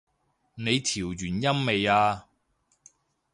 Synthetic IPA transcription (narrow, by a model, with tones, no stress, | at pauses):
ne˨˧jt̪ʰiː˨˩wjyː˨˩njɐ˥mme˨jaː˧